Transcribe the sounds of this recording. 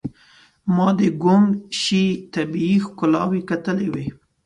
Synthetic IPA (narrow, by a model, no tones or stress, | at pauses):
mɑd̪əɡʊmʃit̪abiixkʊlɑ̰wikat̪əlewe